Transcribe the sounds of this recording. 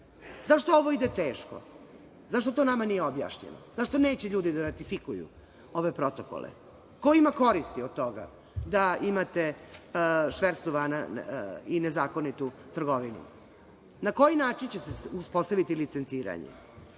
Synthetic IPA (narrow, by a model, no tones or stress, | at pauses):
zaʃt̪oo̞ʋo̞id̪et̪eːʃko̰ | zaʃt̪o̞t̪o̞namanijeobja̰ːʃɲḛno̰zaʂt̪one̞ːt͡ɕeʎuːd̪id̪aɾat̪ifikujṵ | o̞ʋe̞pɾo̞t̪oko̰lḛ | koimako̞ɾist̪iod̪̚t̪o̞ɡa̰ | d̪aimat̪e | ʃʋeɾst̪oʋanainezaːko̞nit̪ut̪r̩ɡo̞ʋinṵ | nako̞jinaːt͡ʃint͡ɕet̪euspo̞st̪aʋit̪ilit̪sent̪siːɾa̰ɲḛ